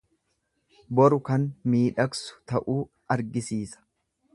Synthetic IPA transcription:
bɔɾʊkɐnmiːᶑɐksʊ̥t̪ɐʔuː | ɐɾɡɪsiːsɐ̥

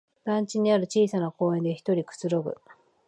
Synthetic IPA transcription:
d̪̥ãɲt͡ɕiɲ̟iaɾɯ̟t͡ɕiːsanako̞ːẽ̞nd̪e̞çi̥t̪o̞ɾʲikɯ̟̥t͡sɨɾo̞ɡɯ̟̰

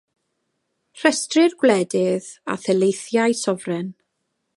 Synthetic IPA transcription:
r̥ɛstrɪrɡwlɛdɪða̰θɛlejθjajsɔvrɛn

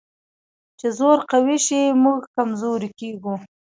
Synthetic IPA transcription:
t͡ʃezoɾqawiʃimuɡkamzoɾikeɡu

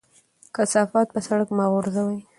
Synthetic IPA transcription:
kasɑfɑt̪̚pəsaɽakmɑɣʊɾzawaj

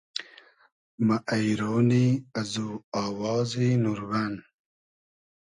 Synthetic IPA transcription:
maʔajɾoːniazuaːwɑːzinuɾɡan

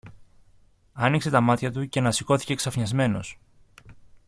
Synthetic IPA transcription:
ɐnikse̞t̪ɐmɐt̪çɐt̪uce̞nɐsiko̞θi̥ce̞ksɐfɲɐzme̞no̞̰s

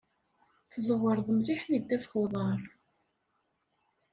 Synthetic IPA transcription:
θzˤəʁːəɾˤðəmliħnid̪ːæfχuðˤɑɾˤ

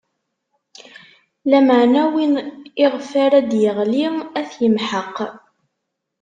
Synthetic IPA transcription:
læməʕnæwinɪʁfaɾæd̪jəʁliæθjəmħəqː

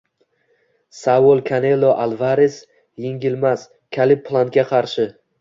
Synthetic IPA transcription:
sawolˠkʲʰanelːoʔalˠvaɾes | jeŋɡʲɪlmas | kʲʰalɪp̚ʰːlˠant̪̚kʲaqʰɑɾʃɪ

